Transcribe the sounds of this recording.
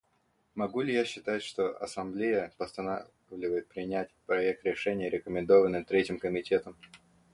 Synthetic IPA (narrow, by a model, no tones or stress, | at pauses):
mɐɡulʲɪjaɕːɪt̪atʲʂt̪o̞ʔɐ̰sɐmblʲejəpəst̪ɐna | vlʲɪvəjɪt̪̚pɾʲɪnʲætʲpɾɐɛk̚t̪ɾʲɪʂɛnʲɪjəɾʲɪkəmʲɪnd̪o̞vənːɨt̪ɾʲetʲɪmkəmʲɪtʲe̞t̪əm